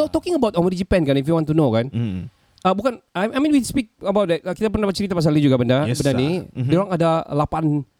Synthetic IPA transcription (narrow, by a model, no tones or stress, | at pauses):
ɛt̪ɔkɪŋəbawt̪ɔmədid͡ʒipɛnkanifuwãnt̪unokan | əbukanaajmĩnwispik̚əbawt̪̚ɛt̪̚əkit̪ap̬ərnahmət͡ʃəɾit̪apas̬alid͡ʒuɡabəndabəndanidioɾaŋadalapan